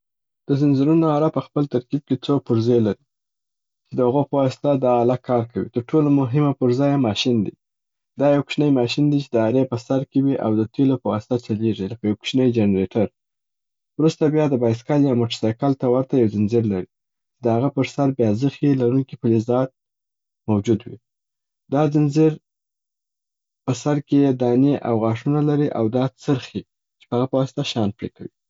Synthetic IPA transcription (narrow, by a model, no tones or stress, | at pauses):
d̪̥əzɪnzɪɾunoaɾapəxpəlt̪aɾkib̚ket͡sopʊɾzelaɾi | t͡ʃed̪əhaɣopəwɑsɪ̥t̪ad̪ɑːlakʰɑɾkawḭt̪əɾʈʰolomʊɦɪmapəɾzɑjamɑʃind̪ḭ | d̪ɑjawkʃnəjmɑʃind̪it͡ʃed̪əaɾepəsaɾkewiʔa̰wd̪ət̪ʰelopəwɑsɪ̥t̪at͡ʃaleʐiləkajawkʃnəjd͡ʒenɾeʈʰaɾ | wɾust̪abjɑd̪əbɑjs̬kaljɑmoʈaɾsɑjkəlt̪awaɾt̪ajawzɪnziɾlaɾi | t͡ʃed̪əhaɣapəɾsaɾbjɑzəxelaɾunkipəlizɑt̪̚ | mawd͡ʒud̪wḭ | d̪ɑzɪnziɾ | pəsaɾkeed̪ɑniʔa̰wɣɑʂunalaɾiʔawd̪ɑt͡səɾxi | t͡ʃe̥pəhaɣapəwɑsɪ̥t̪aʃɑnpɾekawḭ